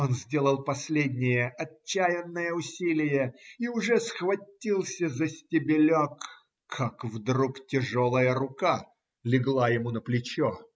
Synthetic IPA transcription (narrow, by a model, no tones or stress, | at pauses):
onzʲdʲe̞lˠəlˠpɐsʲlʲedʲnʲɪjəʔɐt͡ɕːæjɪnːəjəʊsʲilʲɪjəiʊʐɛsxvɐtʲːilˠsʲəzəsʲtʲɪbʲɪlʲokʰː | akvd̪ɾuktʲɪʐolˠəjəɾʊka | lʲɪɡlˠajɪmunəplʲɪt͡ɕo